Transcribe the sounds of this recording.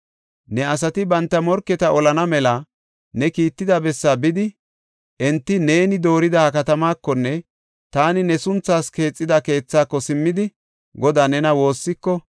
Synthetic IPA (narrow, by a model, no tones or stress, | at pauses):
nɛɐs̬ɐt̪ɪbɐnt̪ːɐmɔɾkːɛt̪ɐʔɔlɐnɐmɛlɐ | nɛkiːt̪ːɪd̪ɐbɛsːɐbɪd̪ɪ | ʔɛnt̪ːɪne̞ːnɪd̪o̞ːɾɪd̪ɐkɐt̪ɐmaːkːɔnːɛ | t̪aːnɪnɛsʊnt͡sːaːske̞ːt͡sʼːɪd̪ɐke̞ːt͡sːaːkːɔsɪmːɪd̪ɪ | ɡɔd̪aːnɛnɐwo̞ːsːɪkːɔ